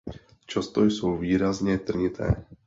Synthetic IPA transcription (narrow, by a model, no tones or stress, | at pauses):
t͡ʃɔst̪ɔjsuːʋiːɾazɲɛt̪r̩ɲit̪ʰɛ̰ː